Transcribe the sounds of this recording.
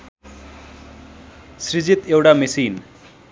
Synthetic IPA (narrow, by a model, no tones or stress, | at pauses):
srid͡zit̪ewʈamisin